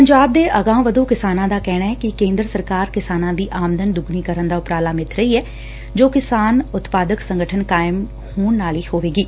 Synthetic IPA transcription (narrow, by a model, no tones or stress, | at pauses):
pəɲd͡ʒaːb̚d̪eːʔəɡãːʋəd̪uːkɪsaːnãːd̪aːkɛːɽ̃aːɛːkɪkẽːnd̪ɾəsəɾkaːɾkɪsaːnãːd̪iːʔaːmd̪ənd̪ʊɡniːkəɾənd̪aːʊpɾaːlaːmɪt̪ʰɾəiːɛː | d͡ʒoːkɪsaːnʊt̪paːd̪əksəŋɡəʈʰənkaːɪm | huːɳnaːliːhoːʋeːɡiː